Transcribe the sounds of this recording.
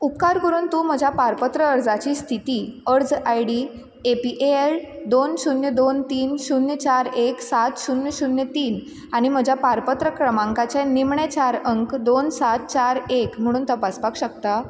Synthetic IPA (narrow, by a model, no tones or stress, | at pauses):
upkaɾkəɾuːnt̪uːm̤əd͡ʑʱjapaɾpət̪ɾəəɾd͡zat͡ɕiːst̪ʰit̪iːəɾd͡zajɽi | epiʔeeld̪onɕunjəd̪ont̪iːnɕunjət͡ɕaɾeksat̪ɕunjəɕunjət̪iːn | aɽ̃im̤əd͡ʑʱjapaɾpət̪ɾəkɾəmãŋkat͡ɕanimɳet͡ɕaɾəŋkd̪onsat̪̚t͡ɕaɾekm̤əɽ̃uːnt̪əpaspakɕək̚t̪a